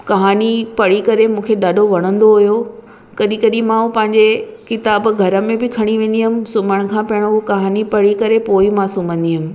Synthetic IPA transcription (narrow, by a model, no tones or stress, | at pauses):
kɐɦaːnipɐɽikɐɾemũːkʰeɗaːɗʱoʋɐɽ̃ə̃nd̪oɦʊjo | kɐɗĩkɐɗĩmãɦupɐ̃ɦɪ̃ɲd͡ʑekɪt̪aːbɡʱɐɾəmẽbɪkʰɐɽ̃iʋẽːnd̪iɦʊmɪ̆sʊməɽ̃̆kʰãːpɐɪɽ̃oɦukɐɦaːnipɐɽikɐɾepoːimãːsuːmə̃nd̪iɦʊmɪ̆